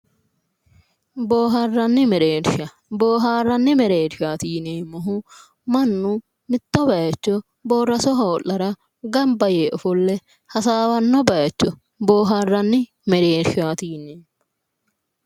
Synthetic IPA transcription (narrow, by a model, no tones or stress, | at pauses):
boːɦɐrːɐnːɪmɛɾeːɾʃɐ | boːɦaːrːɐnːɪmɛɾeːɾʃaːt̪iːneːmɔɦʊ | mɐnːʊ | mɪt̪ːɔbɐjɐt͡ʃːɔ | boːrːɐsɔɦɐɔʔːɐɾɐ | ɡɐmbɐjeːʔɔfɔlːɛ | hɐsaːwɐnːɔbɐjɐt͡ʃːɔ | bo̞ːɦaːrːɐnːɪ | mɛɾeːɾʃaːt̪iːnːeː